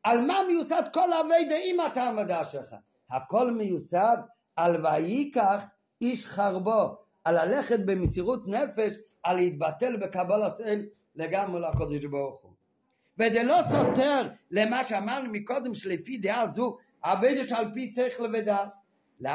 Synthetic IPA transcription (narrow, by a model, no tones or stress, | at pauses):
alˠmaːməjusadkɔlˠaveɪdaimatamvadaʃɛχa̰ | hakɔlˠməjusad̪ | alvajikaχ | iʃχaʁbo | alalɛχɛt̚bɪmɪt͡siʁutnɛfɛʃ | alhit̪̚batɛlˠbəkabɔlˠaseɪm | leɡamʁəlakɔdɪʃbɔʁχu | vezɛlɔsɔtɛʁlemaːʃeamaʁnumikɔd̪əmʃlɪfid̪eazu | aveɪdaʃalpit͡seɾiχləvedas | l